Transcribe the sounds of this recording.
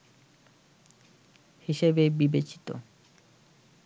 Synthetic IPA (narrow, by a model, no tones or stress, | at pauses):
hiʃebebibet͡ɕi̥t̪o̰